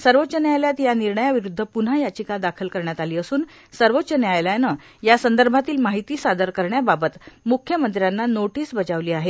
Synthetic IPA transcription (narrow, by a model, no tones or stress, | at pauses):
səɾʋotːt͡ɕənjajljat̪janiɾɳəjaʋiɾud̪ʱːəpun̤ajat͡ɕikad̪akʰəlkəɾɳjat̪aliːəsuːn | səɾʋotːɕənjajlajnə | jasənd̪əɾbʱat̪iːlmaɦit̪iːsad̪əɾkəɾɳjababət̪mukʰjəmənt̪ɾjanːanoʈiːsbəd͡ʑaʋliːaɦe